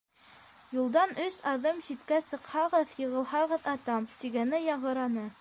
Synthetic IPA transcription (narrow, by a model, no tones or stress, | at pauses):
julˠd̪ɑnɵsɑðɤmɕit̪kæsɤ̆qhɑʁɤðjɤ̆ʁɤ̆lˠhɑʁɤðɑt̪ɑmt̪iɡænɘjɑɴʁɤ̆ɾɑnɤ